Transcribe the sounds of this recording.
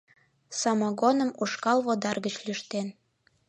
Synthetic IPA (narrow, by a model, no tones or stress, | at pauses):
sɑmɑɣonəmuʃkɑlβod̪ɑrɣət͡ɕlyʃt̪en